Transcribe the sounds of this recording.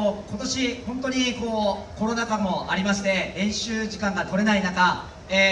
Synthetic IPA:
oko̞t̪o̞ɕihõ̞nt̪o̞ɲ̟iko̞ːko̞ɾo̞nakamo̞aɾʲimaɕi̥d̪e̞ẽ̞ɰ̃ɕɨːʑikãŋɡat̪o̞ɾe̞nainaka | e

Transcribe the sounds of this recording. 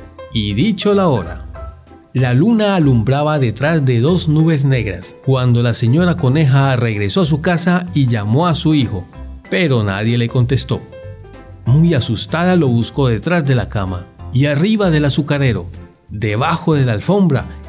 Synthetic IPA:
iðit͡ʃolao̞ɾa̰ | lalunaːlumbɾaβaðe̞t̪ɾazd̪e̞ðo̞znuβe̞z̬ne̞ɣɾa̰skwand̪o̞lase̞ɲo̞ɾako̞ne̞xare̞ɣɾe̞so̞as̬ukasaiʝamo̞asuixo̞pe̞ɾo̞na̰ðje̞le̞ko̞nt̪e̞st̪o̞̰ | mujasust̪aðalo̞βusko̞ð̞e̞t̪ɾazd̪e̞lakama̰iariβaðe̞lasukaɾe̞ɾo̞̰ | d̪e̞βaxo̞ðe̞lalfo̞mbɾa̰

